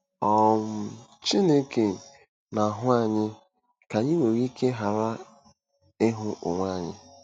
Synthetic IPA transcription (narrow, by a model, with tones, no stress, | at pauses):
ɔ˦m̩˨t͡ʃi˦ne˦ke˨ | na˨ɦʊ˦a˨ɲɪ˦ | ka˨ɲi˦we˨ɣi˦kʰe˦ɦa˨ɾa˦ | ɪ˦ɦʊ˦ʔʊ̰˨ŋʷa˦˨ɲɪ̰˦